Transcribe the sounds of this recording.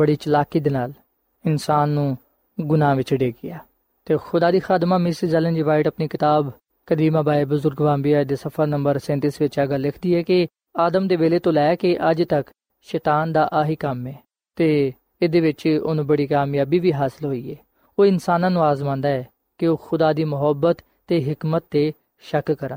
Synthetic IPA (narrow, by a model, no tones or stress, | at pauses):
bəɽiːt͡ʃəlaːkiːd̪eːnaːl | ɪnsaːnːũː | ɡʊnãːʋɪt͡ʃɖeːɡɪjaː | t̪eːxʊd̪aːd̪iːxaːd̪maːmɪsizɛːlənd͡ʒiːʋaːɪʈəpniːkɪt̪aːb | kəd̪iːmãːbaːeːbʊzʊɾɡʋãːmbiaːd̪eːsəpʰəɾnəmbəɾsɛ̃ːnt̪ɪsʋɪt͡ʃaɡəlːɪkʰd̪iːɛːkɪ | aːd̪əmd̪eːʋeːleːt̪õːlɛːkeʔəd͡ʒt̪ək | ʃɛːt̪aːnd̪aːʔaːɦiːkəmɛː | t̪eː | ɪd̪eːʋɪt͡ʃʊ̰nũːbəɽiːkaːmijaːbiːʋiːɦaːsɪlɦoːiːɛː | oːɪnsaːnãːnũːaːzmãːnd̪aːɛː | kɪoːxʊd̪aːd̪iːmʊɦəbːət̪ːeːɦɪkmət̪̚ːeː | ʃəkkəɾən